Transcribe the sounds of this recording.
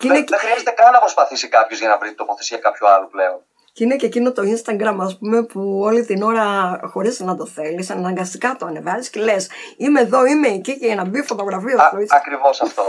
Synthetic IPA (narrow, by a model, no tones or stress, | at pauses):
ceineexɾiɐzet̪ekɐnːɐpɾo̞spɐθisikɐpço̞zʝɐnɐvɾit̪opo̞θesiɐkɐpçualupleon | cine̞cecino̞t̪o̞inst̪ɐɡɾɐmɐspume̞puo̞lit̪ino̞ɾɐxo̞ɾiznɐd̪o̞θe̞lisɐnɐŋɡɐst̪ikɐt̪oɐne̞vɐzisce̞le̞simeːðo̞ime̞ːciceʝɐnɐbiofo̞t̪o̞ɣɾɐfiɐoiɐkɾivosɐft̪o